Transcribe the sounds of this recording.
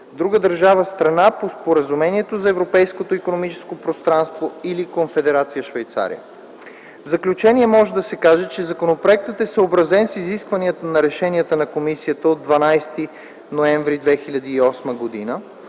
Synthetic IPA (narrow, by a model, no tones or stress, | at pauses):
d̪ɾuɡəd̪əɾʒavəst̪ɾɐnapospoɾəzumɛniɛt̪ozɐɛvɾopɛjskot̪oikonomit͡ʃɛ̥skopɾost̪ɾanst̪voilikonfɛd̪ɛɾat̪sijəʃvɛjt̪sa̰ɾḭə̰ | vzɐklʲut͡ʃɛnʲiɛmɔʒɛd̪ɐsɛkaʒɛt͡ʃɛzɐkonopɾoɛk̚t̪ət̪ɛsəobɾɐzɛnsiziskvɐniət̪ənɐɾɛʃɛnʲiət̪ənɐkomisiət̪əod̪vɐnajst̪i | noɛɱvɾid̪vɛxilʲɐd̪iːɔsməɡod̪inə